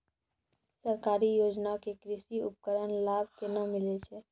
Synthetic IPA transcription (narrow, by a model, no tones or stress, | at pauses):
səɾkaɾijod͡ʒnakekɾisiup̚kəɾənlabʱkenəmilet͡ʃʰɛ